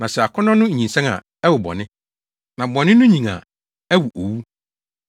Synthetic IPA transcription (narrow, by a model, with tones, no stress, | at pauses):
nã˨sɛ˨a˨kʰɔ˦nɔ̃˦nʊ̃˦˨ɲĩ˨nsɛ̃˦na̰˨ | ɛ˦wʊ˨bɔ̰˨nɪ̃˦ | nã˨bɔ̃˨nɪ̃˦nʊ̃˦ɲĩ˨ŋa̰˨ | æ˦wu˨ʔo˨wu˦